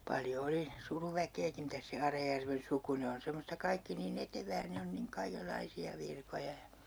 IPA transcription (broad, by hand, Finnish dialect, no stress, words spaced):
pɑljo oli suruʋækeːki mitæs se ɑrɑjærʋen suku ne on̞ semostɑ kɑikːi niːn eteʋæː ne on niŋ kɑikelːɑisiɑ ʋirkojɑ jɑ